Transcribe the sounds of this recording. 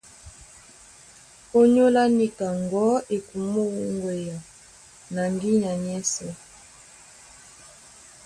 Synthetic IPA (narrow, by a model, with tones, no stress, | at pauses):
o˦ɲo˦la˦ni˦ka˨ŋɡɔ˦e˨ku˨mo˦ɣu˦ŋɡwe˨ja˨ | na˨ŋɡi˦ɲa˨ɲɛ˦sɛ˦